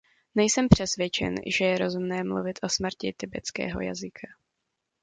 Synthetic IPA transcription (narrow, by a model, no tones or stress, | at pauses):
nɛjsɛmpr̝̥ɛsvjɛt͡ʃɛ̰nʒɛjɛɾo̞zumnɛːmlṵvɪt̪ʰʔo̞smr̩cɪt̪ɪbɛt͡skɛ̰ːɦo̞̰ja̰zɪkʰa